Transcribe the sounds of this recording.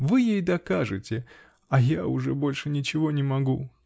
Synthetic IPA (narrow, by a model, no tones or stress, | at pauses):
vɨjejd̪ɐkaʐɨt͡sʲɪ | ɐjaʊʐɛbolʲʂɨnʲɪt͡ɕɪvonʲɪmɐɡu